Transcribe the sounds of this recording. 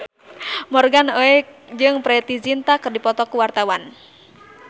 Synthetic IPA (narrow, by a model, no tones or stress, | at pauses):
mɔrɡanoɛk̚d͡ʒɨŋpɾɛt̪izint̪akɨrdipɔt̪ɔkuwart̪awan